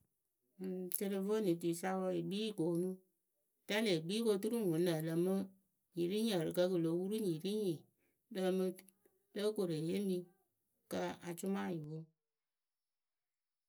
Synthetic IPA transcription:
te˧ɾe˧vo˦ni˨t̬u˨sa˦wɔ˧i˨ɡ͡biː˦˨ko˨˦nũ˦ | ta˦le˨ɡ͡biː˦ko˧tu˦ɾu˦ŋ˨wu˨˦nə˨lə˨mɨ˦ | ɲi˨ɾi˦ɲə˨ɾɨ˨kə˧kɨ˨lo˨˦wu˦ɾu˦ɲi˨ɾi˦ɲĩ˨ | lə˦mɨ˧ | lə˦ko˨ɾe˨je˦mĩ˧ | kə˧a˨t͡ʃʊ˦ma˦˨ji˨wo˦

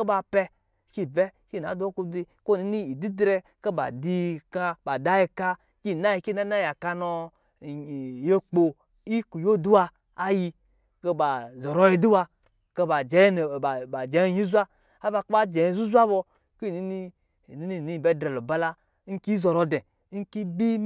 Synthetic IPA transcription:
ke˦ba˧pɛ˧ | ki˦˨bɛ˦ | ki˦˨na̰˨˦do˦ku˧di˧ko˦˨i˦ni˦i˨di˦dɾe˧ | ke˦ba̰˨di˧ka˧ba˨da˦ji˧ka˧ | ki˦˨na˦ji˧ki˦˨na˦na˦ja˨ka˧nɔ˧˨ | je˦k͡po˧ | i˦ku˨jo˦˨du˦wa˧ | a˦ji˧ | ke˧ba˨zɔ˨ɾo˧˦ji˧du˦wa˧ | ke˧ba˨d͡ʒe˨˦n˨a˨d͡ʒe˨˦ɲi˦zʷa˦ | a˦ba˧kba˦d͡ʒe˨ji˨zu˦zʷa˦bo˧ | ki˦˨ni˦ni˦˨ | ni˦ni˦˨ni˨˦˨be˦dɾe˨lo˨ba˧la˧ | ŋ̩˦ki˦zo˨ɾo˧de˨ | ŋ̩˦ki˦bi˦

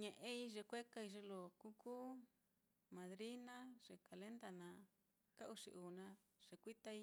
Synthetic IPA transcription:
ɲẽ˨ʔẽ˦i˦ʐe˧kʷe˦ka˧i˧ʐe˧lo˨ku˦kuː˦ | mã˨ðɾi˦nã˦ʐ̥e˨ka˨le˦nd̪a˧nã˧ | ka˦ʔu˧ʂḭ˧ʔuː˨nã˧ʐ̥e˨kʷi˦t̪a˦i˦

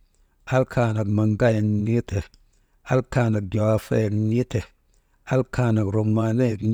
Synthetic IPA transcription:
a˦lkʰa˧na˨kma˨ŋ˦ɡa˦je˨kɲi˦tʰe˨ | a˦lkaː˧˨na˨k̚ɡʲo˨a˨˧fḛ˦˨kɲi˦te˨ | a˦lka˧na˨kɾo˨kma˨ne˦˨k

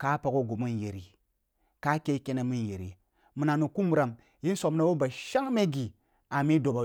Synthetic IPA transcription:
ka˦pa˨ko˦ɡo˨mu˦nje˨ɾi˨ | ka˦ke˦ke˦na˨mi˦n˨je˨ɾḭ˨ | mu˨na˨nu˨ku˦m˨ɾa˨m | ji˦n˦so˨m˦na˦wo˦ba˨ʃa˦ŋme˦ɡi˨ | a˨mi˦do˨ba˨

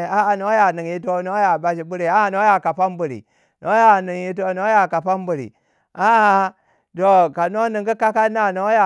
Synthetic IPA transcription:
a˦ʔa˨no˦ja˨ni˨ŋji˦to˦no˦ja˨ba˦ʃi˨bu˦ɾi˨a˦˨no˦ja˨ka˨pa˦mbu˨ɾḭ˨ | nʔo˦ja˨nɨ˨ŋji˦t̬o˦no˦ja˨ka˨pa˦mbu˨ɾḭ˨ | a˦ʔa˦ | to˨ka˨no˦ni˨ŋɡu˦ka˦ka˦na˦˨no˦ja˨

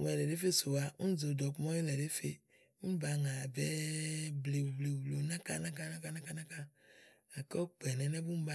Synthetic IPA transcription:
ɛ˨lɛ˨ɖe˦fe˦so˨wa˨ŋũ˦zo˨d̪ɔ˨k͡pmɔ̃˦e˦lɛ˨ɖe˦fe˦ | ŋũ˦ba˨ŋã˨be˦ble˨wu˨ble˨wblo˨nã˦ka˦nã˦ka˦nã˦ka˦nã˦ka˦nã˦ka˦ | a˨kɔ˦k͡pɛ˨nɛ̃˨nɛ̃˦bu˦m̩˦ba˦

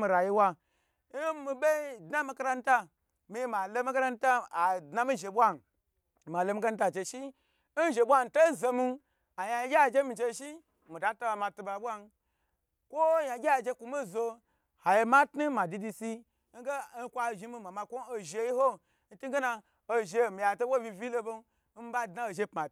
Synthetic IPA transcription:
mi˧ɾa˨ji˦wa˧˦ | jmi˧ɓe˦dna˦mi˦ka˦ɾa˧n̩˦ta˦ | mi˨˦ma˨lo˦mi˦ka˦ɾa˦n˦ta˦a˨dna˦mi˦ʒe˨ɓʷa˦n˨ | ma˨lo˧mi˧˦ɡa˦n̩˦ta˨t͡ʃe˧ʃi˦ | n̩˦ʒe˨ɓʷa˦n˨to˦zo˧mi˦ | a˨ja˨ji˦ɡʲa˦˨d͡ʒe˦mi˨t͡ʃe˧ʃi˦ | mi˨da˦to˦a˧ma˧tu˧ba˨bʷa˦n˦ | kʷo˦ja˨ɡʲe˦a˨d͡ʒe˧kʷu˨mi˦˨zo˧ | ha˨je˧ma˦tnu˦ma˨di˧di˧si˧ | ŋ̩˦ɡe˦n̩˦kʷa˧˨ʒi˧˦mi˧ma˨ma˧kʷo˦no˨˧ʒe˧ji˦ho˦ | n̩˦tu˦ɡe˦na˧ | o˧ʒe˧˨mi˨ja˨to˦wo˦vʲi˧vʲi˦lo˧bo˦ | m̩˦ba˦dna˦o˨ʒe˦pma˨

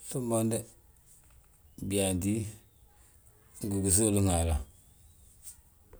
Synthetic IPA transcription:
su˦mbo˦nde˦ | bi˨a˨ndi˦ | ŋ˨ɡu˨ɡu˨s̬o˦lu˦ŋa˨la˨

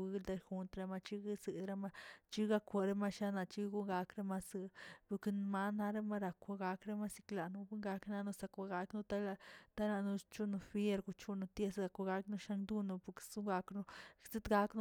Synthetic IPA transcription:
ɡi˧ld̪a˧xu˧nt̪ɾe˧˦ma˧t͡ʃi˦ɡi˦sɨ˨d̪ɾa˧˦ma˦t͡ʃi˦ɡa˦kʷa˧ɾe˧ma˦ʃa˦na˧t͡ʃi˦ɡu˦ŋɡa˧kɾe˦ma˧sɨ˧˨pu˧kn˧ma˧na˦ɾe˦ma˦ɾa˨kʷa˧ɡa˧kɾe˦ma˦si̥˧kla˨nu˧bu˦ŋɡa˧kna˧nu˦sa˧kʷa˧ɡa˧knu˧t̪a˦la˧t̪a˦la˧nu˧t͡ʃu˦nu˧fje˦ɾɡu˧t͡ʃu˦nu˧t̪je˦sɡa˨˧kʷa˧ɡa˧knu˧ʃa˦ŋd̪u˦nu˧pu˨ksu˦ŋɡa˧knu˦se˦t̪ɡa˦kn˦

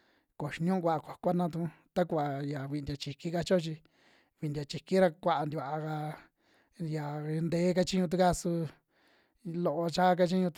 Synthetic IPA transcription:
ko˨ʃi˧ɲũ˦˧k̬ʷa˧ʔa˧kʷa˨kʷa˦nã˧t̪̬ũ˧˦˧t̪a˦kʷa˨ja˨βi˧nd̪ʲa˨t͡ʃi˧ki˦ka˧t͡ʃo˦t͡ʃi˧ | βi˧˨nd̪ʲa˨t͡ʃi˧ki˦ɾa˧kʷa˧ʔa˧nd̪i˧a˨ʔka˧ | ja˨˧nd̪eː˨˦k̬a˧t͡ʃi˦ɲũ˧t̪̬u˦ka˦su˧ | lo˧ʔo˧t͡ʃa˦k̬a˧t͡ʃi˦ɲũ˧

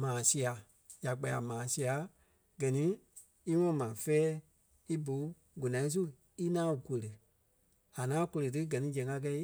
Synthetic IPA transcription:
mãː˨si˧a˨ | ja˨k͡pa˨˧˨a˨mãː˨˦si˧˦a˨˦ | ɡ̥ɜ˨nĩ˨˦ | i˦ŋɔ̃˦˨mã˨fɛː˦ | i˦bo˨˦ | ɡu˨nã˨ĩ˦s̬u˦ | i˦nãː˦u˨kʷo˨lə˨ | a˨ŋãː˨˦˧ko˧lə˨t̬ɨ˦ɡɜ˨nĩ˨˦d͡ʒɛ̃˨˦ka˧k̬ɛ˧i˦

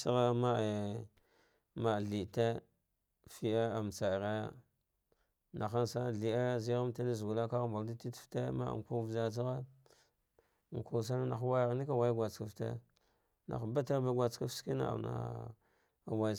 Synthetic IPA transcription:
sa˦ɣa˦ma˦e˨ | ma˨ɮi˨te˦ | fi˦a˦a˨m˨t͡sa˨ɾa˦ja̰˦ | na˨xa˦nsa˦˨ɮi˨a˦zi˦ɣa˦mta˦ni˦zɡu˨la˦ka˦ɣmba˨ldi˦ti˦tfte˦ma̰˦˨ŋ˨ku˦vza˦t͡s̬a˦ɣa˦˨ | ku˨s̬a˦na˦na˨˦wa˦ja˨ɣni˦ka˦wa˦jɡʷa˨t͡ska˨ftḛ˦ | na̰˨xba˦ta˦ɾba˦ɡʷa˨t͡ska˦fski˦na̰˨a̰˨na̰˨ | a˨wa˦˨

